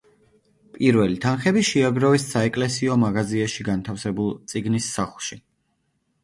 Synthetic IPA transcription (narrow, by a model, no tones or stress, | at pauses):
pʼiɾvɛlit̪ʰanχɛbiʃiaɡɾɔvisaɛkʼlɛsiɔmaɡaziaʃiɡant̪ʰafsɛbulˠt̪sʼiɡnisːaχlˠʃi